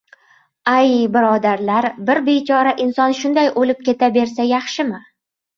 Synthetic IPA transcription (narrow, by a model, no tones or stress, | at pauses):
ajbɪɾɒd̪aɾlaɾbɪɾbe̞t͡ʃʰɒɾaʔɪnsɒnʃʊnd̪ajʔolɪp̚kʲʰe̞t̪ʰabe̞ɾsajɑχʃɪmɪ